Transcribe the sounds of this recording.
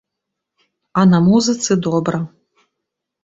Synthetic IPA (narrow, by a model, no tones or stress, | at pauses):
ɐnɐmuzɨt̪sɨd̪ɔbɾɐ